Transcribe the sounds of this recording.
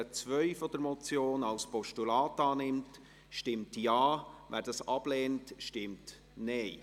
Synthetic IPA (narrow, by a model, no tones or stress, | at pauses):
ət͡svœʏfɔd̥̪əɾmɔt͡sjoːnɑlspɔʃtulɑːtɑːnɪmt | ʃtɪmtjɑːʋæ̰ːɾd̥ɑsɑb̥leːntʃtɪmt | neɪ